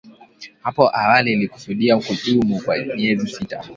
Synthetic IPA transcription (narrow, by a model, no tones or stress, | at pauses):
hapɔʔawaliːliku̥suɗiam̩kuɗumukwa̰miɛzisita̰